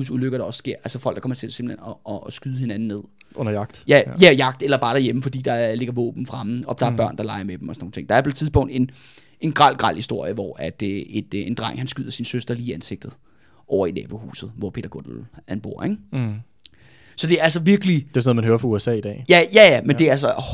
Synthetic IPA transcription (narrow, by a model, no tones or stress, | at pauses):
usuløɡ̥ɐɾ̥ɑ̈ɒ̽ssɡ̥e̝ɐ̰ʔælsəfɒ̽l̰ɡ̥d̥kʰɒmɐt͡sʰe̝se̝mbl̩henɒːsɡ̥yðˠəhe̝næn̩ne̝ð̞̰ˠ | ʔɔnɐjɑ̈ɡ̥d̥jæjæjɑ̈ɡ̥̚d̥elɐb̥ɑ̈ːɾ̥æɐjeməfɒ̽d̥ḭːd̥ɑ̈le̝ɡ̥ɐʋɔ̰ːb̥n̩fʁɑ̈məɒ̽d̥ɑ̈æɐb̥ɶɐ̰nd̥ɑ̈lɑ̈ɪɐmed̥m̩ɒsɔno̝ːn̩t͡sʰe̝ŋd̥ɑ̈ɐpʰt͡sʰiðˠsb̥ɔ̽ŋ̰d̥e̝n | e̝nɡ̥ʁɑ̈l̰ɡ̥ʁɑ̈l̰hisd̥o̝ɐ̰jəʋɒæd̥e̝d̥end̥ʁɑ̈ŋ̰hænsɡ̥yð̰ˠɐsinsøsd̥ʁɐliːiænse̝ɡ̥̚d̥ð̩ˠ | ʔɒʊɐinɛ̰ːb̥ohṵːsð̞̩ˠʋɒpʰe̝̰ːdɐɡ̥o̰d̥l̩ænb̥o̝ɐ̰eŋ | sɒ̽d̥e̝æls̬əʋiɐɡ̥əli̥esnoð̩ˠmænhøːɐfʁɑuesɛ̰ːid̥ɛ̰ːjæjæjæmend̥e̝ææsɒ